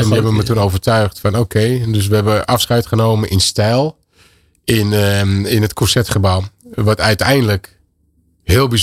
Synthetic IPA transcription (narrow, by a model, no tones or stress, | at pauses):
ɛndiɦɛbəʋəmətunowvərtœɥχtfɔnoːkʰeːdøs̬ʋəɦɛbəʔafsχɛɥtχənoːmənʔɪnstɛlˠ | ɪnɪnətkʰosɛtχəbawnʋɔtœɥtɛjndələk | hɪːəlˠbiz